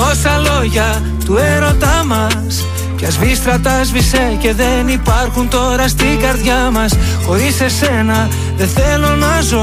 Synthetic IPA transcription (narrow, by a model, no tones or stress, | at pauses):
o̞sɐlo̞ʝɐ | t̪ue̞ɾo̞t̪ɐmɐ | s | cɐzvist̪ɾɐt̪ɐzvisece̞ðe̞nipɐɾxunt̪o̞ɾɐst̪ikɐɾðʝamɐs | xo̞ɾise̞se̞nɐ | ðe̞θelonɐzo